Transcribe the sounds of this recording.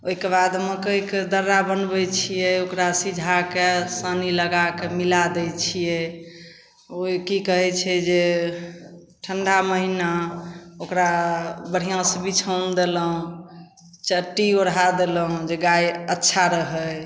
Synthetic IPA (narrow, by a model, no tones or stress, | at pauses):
oɦikebad̪mekəiked̪əɾːabənbɛt͡ʃʰijɛokɾasid͡ʒʱakesəniləɡakemilad̪ɛt͡ʃʰijɛ | okikəɦɛt͡ʃʰɛd͡ʒe | ʈʰəɳɖaməɦinaokɾabəɽ̤ijãsəbʱit͡ʃʰənd̪eləɦũ | t͡ʃəʈːioɽɦad̪eləɦũd͡ʒeɡajətːʃʰaɾəɦəj